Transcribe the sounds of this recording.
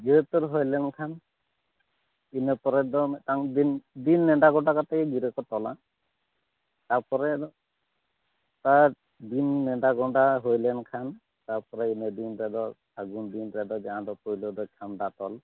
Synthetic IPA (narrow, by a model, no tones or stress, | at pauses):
ɡiɾet̪ɔɾɦojlɛnkʰan | inepɔɾɛd̪ɔt̪aŋdind̪inːɛɳɖaɡɔɳɖakat̪akɛɡiɾekɔt̪ɔla | t̪aɾpɔɾɛ | t̪aɾ | d̪inːɛɖaɡɔɳɖaɦojlɛnkʰan | t̪aɾpɔɾɛined̪inɾɛd̪ɔ | aɡund̪inɾɛd̪ɔd͡ʒaãd̪ɔpojlɔd̪ɔt͡ʃʰamdat̪ɔl